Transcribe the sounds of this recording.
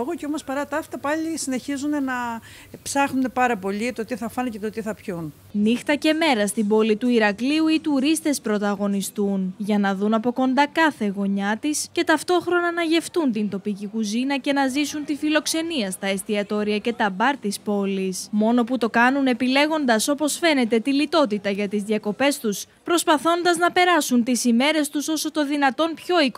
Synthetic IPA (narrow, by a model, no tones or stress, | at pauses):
oɣoceomospɐɾɐt̪ɐft̪ɐpɐʎisine̞çizunenɐ | psɐxnune̞pɐɾɐpo̞ʎit̪o̞t̪iθɐfɐnece̞t̪o̞t̪iθɐpçun | nixt̪ɐce̞me̞ɾɐst̪ibo̞lit̪uiɾɐkliuit̪uɾist̪e̞spɾo̞t̪ɐɣo̞nist̪unʝɐnɐðunɐpo̞ko̞nd̪ɐkɐθe̞ɣo̞ɲɐt̪isce̞t̪ɐft̪o̞xɾo̞nɐnɐʝe̞ft̪unt̪int̪o̞picikuzinɐce̞nɐzisunt̪ifilo̞kse̞niɐst̪ɐe̞st̪iɐt̪o̞ɾiɐce̞t̪ɐbɐɾt̪ispo̞lismo̞no̞put̪o̞kɐnune̞pile̞ɣo̞nd̪ɐso̞po̞sfe̞ne̞t̪e̞t̪ilit̪o̞t̪it̪ɐʝɐt̪izðiɐko̞pe̞st̪us | pɾo̞spɐθo̞nd̪ɐznɐpe̞ɾɐsunt̪isime̞ɾe̞st̪uso̞so̞t̪o̞ðinɐt̪o̞npço̞ik